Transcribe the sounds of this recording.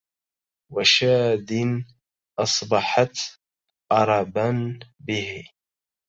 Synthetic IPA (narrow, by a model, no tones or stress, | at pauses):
waʃaːd̪ɪn | ʔɑsˤbɑħat̪ | ʔɑɾˤɑbanbɪh